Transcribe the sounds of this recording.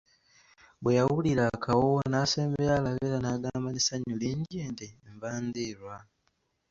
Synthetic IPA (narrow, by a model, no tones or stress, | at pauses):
bwejawuliɾakʰawonase̞ːmbejalaβeɾanaːɡaːmbanisaɲuliːndeːndeɱvaːndiɾwa